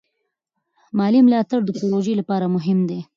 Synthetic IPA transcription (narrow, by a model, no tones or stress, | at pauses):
mɑlimlɑt̪aɽd̪əkoloʒəjlapɑɾamʊɦɪmd̪e